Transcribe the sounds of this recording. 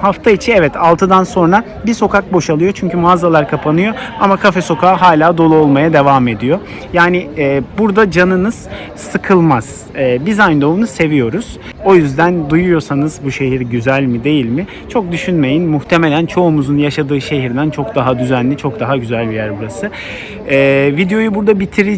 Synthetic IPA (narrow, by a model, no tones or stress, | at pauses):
haft̪ʰait͡ʃʰinɛvɛt̪ʰalˠt̪ʰɯd̪anso̞nɾa | biso̞kʰak̚bo̞ʃalˠɯjo̞t͡ʃʰyɲcʰymazalˠaɾkʰapʰanɯjo̞amakʰafɛso̞kʰaːɦaːlʲaːd̪o̞lˠuo̞lˠmajad̪e̞vaːme̞d̪ijo̞ | jaːnɪːbuɾd̪ad͡ʒanɯnɯz̥ | sɯkʰɯlˠmaz̥ | ɛːbizajnd̪ounuse̞vijo̞ɾuz̥ | o̞jyzd̪ænd̪ujujo̞sanɯzbuʃe̞ɦiɾɟyzælʲmid̪e̞jilʲmɪ | t͡ʃʰo̞k̚d̪yʃynme̞jinmuht̪ʰe̞me̞lʲænt͡ʃʰo̞umuzunjaʃad̪ɯːʃe̞ɦiɾd̪ænt͡ʃʰo̞kd̪aɦad̪yzænlʲit͡ʃʰo̞k̚d̪aɦaɟyzælʲbijæɾbuɾasɯ | ɛːvid̪ejo̞jubuɾd̪abit̪ʰiɾi